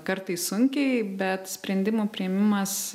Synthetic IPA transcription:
kɐɾt̪ɐɪssʊŋʲkʲɛɪbʲɛt̪sʲpʲɾʲɛnʲd̪ʲɪmoːpʲɾʲɪɛmʲɪmɐs

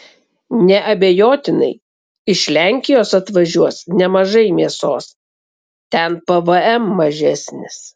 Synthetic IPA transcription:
nʲɛʔɐbʲejoːt̪ʲɪnɐ̰ɪ | ɪʃlʲæˑŋʲkʲɪjoːsɐt̪ʋɐʒʲuɔsnʲɛmɐʒɐɪmʲiɛsoːs | t̪ʲɛnpɐʋəɛmːɐʒʲæsʲnʲɪs

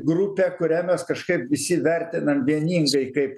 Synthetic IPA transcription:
ɡrupʲæːkʊɾʲæmʲɛskɐʃkɐɪpʋʲɪsʲɪʋʲærʲt̪ʲɪnɐmʋʲiɛnʲiːŋɡɐɪkɐɪp

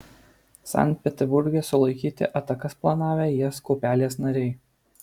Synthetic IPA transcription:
sɑ̰nʲt̪̚ʲpʲɛt̪ʲɛɾbʊɾʲɡʲɛsʊlˠɐɪkʲiːt̪ʲɪ̰ʔɐt̪ɐkɐsplˠɐnɑːʋʲeːjɛskɔːpʲæːlʲeːsnɐɾʲɛɪ

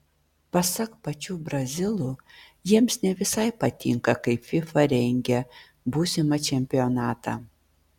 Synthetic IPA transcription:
pɐsɐkpɐt͡ʃʲuːbɾɐzʲɪlˠu | jiɛmsnʲɛʋʲɪsɐɪpɐt̪ʲɪ̰ŋkɐkɐɪpfʲɪfɐɾʲɛŋʲɡʲɛ | buːsʲɪmɐt͡ʃʲɛmʲpʲɪonɑːt̪ɐ̰

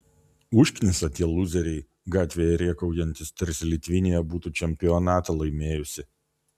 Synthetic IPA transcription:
ʊʃʲkʲnʲɪsɐt̪ʲiɛlˠʊzʲɛɾʲɛɪ | ɡɑːt̪ʲʋʲeːjɛɾʲiɛkɒʊjɛnʲt̪ʲɪst̪ʲɐɾʲsʲlʲɪt̪ʲʋʲɪnʲejɛbuːt̪uːt͡ʃʲɛmʲpʲɪɔnɑːt̪ɐlˠɐɪmʲeːjʊsʲɪ

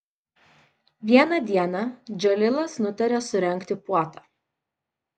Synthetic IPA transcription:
ʋʲiɛnɐd̪ʲiɛnɐd͡ʒʲɛlʲɪlˠɐsnʊt̪ʲɐɾʲesʊɾʲɛŋʲˑkt̪ʲɪpuɔt̪ɑː

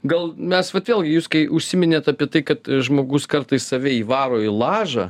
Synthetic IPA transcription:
ɡɐlˠmʲɛsʋɐt̪ʋʲeːlʲˠɡʲɪjuːskɐɪʊʃʲsʲɪmʲɪnʲeːt̪ɑpʲiɛt̪ɐɪkɐt̪ʒmoːɡʊskɐɾt̪ɐɪssɐʋʲɛiːʋɑːɾoːɪlˠɑːʒɑ

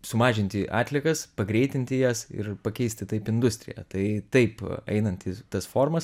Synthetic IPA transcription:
sʊmɑːʒʲɪnʲt̪ʲɪʔɑ̰ːt̪ʲlʲiɛkɐspɐɡɾʲɛɪt̪ʲɪnʲt̪ʲɪjæsɪ̰rpɐkʲɛɪsʲt̪ʲɪt̪ɐɪpɪnd̪ʊsʲt̪ʲɾʲɪ̰jæ̰t̪ɐɪt̪ɐɪpɐ̰ɪnɐnt̪ʲɪt̪ɐsfoːrmɐs

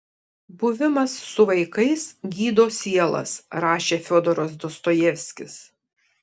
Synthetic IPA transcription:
bʊʋʲɪmɐsːʊʋɐɪkɐɪsɡʲiːd̪oːsʲiɛlˠɐ̰sɾɑːʃʲeːfʲoːd̪ɔɾɔsd̪ɔst̪oːjɛʋʲsʲkʲɪs

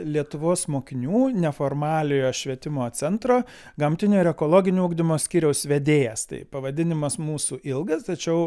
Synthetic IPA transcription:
lʲiɛt̪ʊʋoːsmoːkʲɪnʲuːnʲɛfoːrmɑːlʲɪjoːʃʲʋʲiɛt̪ʲɪmoːt͡s̪ʲɛnt̪ɾoː | ɡɐmʲt̪ʲɪnʲoːɪɾɛkoːlˠoːɡʲɪnʲuʊɡd̪ʲɪmoːsʲkʲiːɾʲɛʊsʋʲɛd̪ʲeːjɛst̪ɐ̰ɪpɐʋɐd̪ʲɪnʲɪmɐsmuːsuʔɪlˠɡɐst̪ɐt͡ʃʲɛʊ

